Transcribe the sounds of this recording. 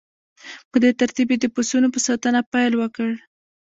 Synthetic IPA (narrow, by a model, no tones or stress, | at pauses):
pəd̪et̪aɾt̪ibed̪əpusunopəsɑt̪ənapajlwəkəɽ